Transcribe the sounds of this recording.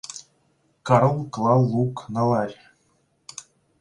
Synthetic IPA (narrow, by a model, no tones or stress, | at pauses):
kɑɾolˠklˠɑlˠːuknɤ̆lˠɑrʲ